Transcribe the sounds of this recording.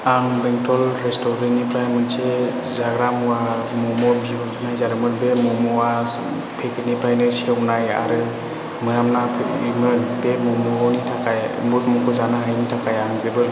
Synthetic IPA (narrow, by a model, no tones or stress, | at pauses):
aŋbeŋtʰɔlɾestɔɾiŋnipɾajmɯnse | zaɡɾamɔwamɔmɔbu | najzaɾɯmɯɾbemɔmɔwa | pʰekɯnipʰajnɯɾsiewnaja̰ɾɯ | mɯjamnapʰeimɯnbemɔmɔɦɔnitʰakajmutmɔkʰɯzanaɦajnitʰakʰajaŋzɯbɯɾ